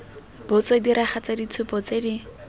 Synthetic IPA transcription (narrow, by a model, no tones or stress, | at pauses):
b̥ʊt͡sɔdiɾʔaχat͡sadit͡sʰʊpɔt͡sedi